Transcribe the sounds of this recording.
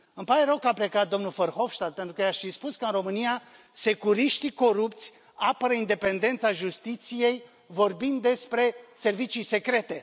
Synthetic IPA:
ɨmpaɾeɾəkaplekat̪̚d̪o̞mnulfərxo̞fʃt̪at̪̚pe̞nt̪ɾukəjaʃfispuskəɨnro̞mɨnija | se̞kuɾiʃt̪iko̞ɾupt̪sʲ | apəɾəind̪e̞pe̞nd̪e̞nt̪saʒust̪it̪sije̞j | vo̞rbind̪ːe̞spɾe̞se̞rvit͡ʃijse̞kɾe̞t̪e̞

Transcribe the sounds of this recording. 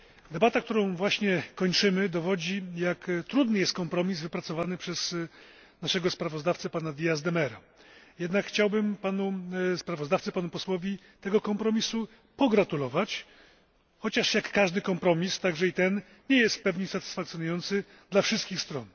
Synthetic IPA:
d̪ɛbat̪ak̚t̪uɾɔ̃w̃vwaɕɲɛkɔɲt͡ʂɘmɘd̪ɔvɔd͡ʑijakt̪ɾud̪nɘjɛst̪̚kɔmpɾɔmʲizvɘpɾat̪sɔvanɘpʂɛz̥ | naʂɛɡɔspɾavɔzd̪aft̪sɛpanad̪ʲijazd̪ɛmɛɾa | jɛd̪nakxt͡ɕawbɘmpanuspɾavɔzd̪aft̪sɘpanupɔswɔvʲi | t̪ɛɡɔkɔmpɾɔmʲisu | pɔɡɾat̪ulɔvat͡ɕ | xɔt͡ɕaʂjakːaʐd̪ɘkɔmpɾɔmʲist̪aɡʐɛit̪ɛn | ɲɛjɛst̪pɛvɲisat̪ɘ̥sfakt̪ʲjɔnujɔnt̪sɘ | d̪lafʂɘst̪̚kʲixst̪ɾɔn

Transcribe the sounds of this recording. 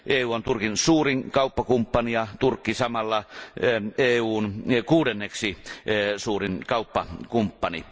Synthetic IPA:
ʔeːuːont̪urkinsuːriŋkɑˑupːɑkumpːɑnijɑt̪urkːisɑmɑlːɑ | eːuːnkuːdenːeksisuːrinkɑupːɑkumpːɑnḭ

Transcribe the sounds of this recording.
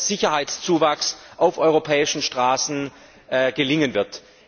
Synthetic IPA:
z̥ɪçɐhaɪtst͡suːvaksʔaʊfʔɔʏʁopʰɛːɪʃn̩ʃtʁ̥aːsn̩ː | ɡ̥əlɪŋənvɪɐt

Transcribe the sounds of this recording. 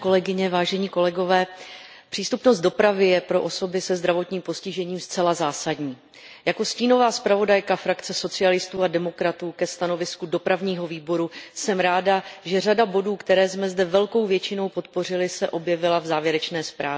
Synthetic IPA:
kolɛɡɪɲɛvaːʒɛɲiːko̞lɛɡo̞vɛː | pr̥iːst̪upno̞st̪̚do̞pɾavɪjɛpɾo̞ʔo̞so̞bɪsɛzd̪ɾavo̞t̪ɲiːmpo̞scɪʒɛɲiːmst͡sɛlazaːsadɲiː | jako̞sciːno̞vaːspɾavo̞dajkafɾakt͡sɛso̞t͡sɪalɪst̪uːadɛmo̞kɾat̪uːkɛst̪ano̞vɪskudo̞pɾavɲiːɦo̞viːbo̞ɾusɛmɾaːdaʒɛr̝adabo̞duːkt̪ɛɾɛːsmɛzdɛvɛlko̞wvjɛt͡ʃɪno̞wpo̞t̪po̞r̝ɪlɪsɛʔo̞bjɛvɪlavzaːvjɛɾɛt͡ʃnɛːspɾaː

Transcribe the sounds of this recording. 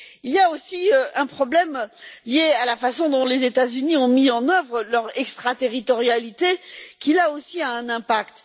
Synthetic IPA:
iljaosiøɛ̃pχɔblɛmljealafasɔ̃d̪ɔ̃lezet̪azyniɔ̃miɑ̃nœvʁəlœʁɛkst̪χat̪eʁit̪ɔʁjalit̪ekʲilaosiaɛ̃nɛ̃pakt̪

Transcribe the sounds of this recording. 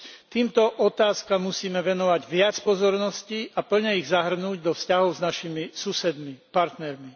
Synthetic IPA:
t̪iːmt̪ɔʔɔt̪aːskamːusiːmɛʋɛnɔʋaɟʋɪat͡spɔzɔɾnɔsciapl̩ɲɛiɣzaɦr̩nuːɟd̪ɔfscaɦɔʊznaʃimisusɛd̪mipaɾt̪nɛɾmi

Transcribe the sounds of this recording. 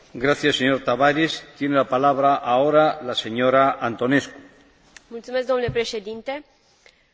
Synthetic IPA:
ɡɾaθjasːeɲoɾt̪aβaɾest̪jenelapalaβɾaʔaoɾalaseɲoɾaʔant̪onesku̥ | mult̪sumeskɡd̪omnulepɾeʃe̞d̪int̪e̞

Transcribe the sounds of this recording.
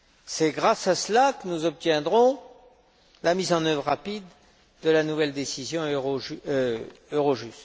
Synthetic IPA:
sɛɡʁasaslakənuzɔp̚t̪jɛ̃d̪ʁɔ̃ | lamizɑ̃nœvʁːapid̪ː | əlanuvɛld̪esizjɔ̃ʁoʒøøʁoʒyst̪

